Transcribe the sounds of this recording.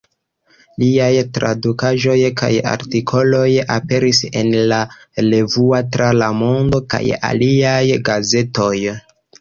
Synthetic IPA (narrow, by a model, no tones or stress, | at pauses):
liajtɾa̰dukaʒo̞jka̰ja̰ɾtikʰo̞lo̞jape̞ɾise̞̰nla | le̞vuatɾalamo̞ndo̞ka̰ja̰liajɡaze̞to̞j